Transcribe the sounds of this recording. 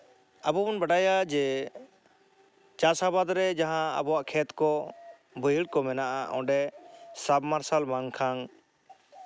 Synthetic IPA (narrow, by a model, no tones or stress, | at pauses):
abɔbɔnbaɖajad͡ʒɛ | t͡ʃasabad̪ɾɛd͡ʒaɦãa̰bɔwaʔkʰɛt̪kɔ | bəjəɽkɔmɛnaʔa̰ʔɔ̰̃ɖɛsabmaɾsalmaŋkʰaŋ